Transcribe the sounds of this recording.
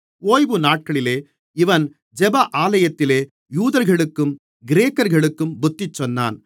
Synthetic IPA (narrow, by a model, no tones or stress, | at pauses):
oːjʋɯnaːʈ̚kɐɭɪleː | ɪʋɐn | d͡ʒɛbɐʔaːlɐjɐt̪ːɪleː | juːðɐɾɣɐɭɯkːɯm | ɡɪɾeːkːɐɾɣɐɭɯkːɯmbʊt̪ːɪt͡ʃːɔnːa̰ːn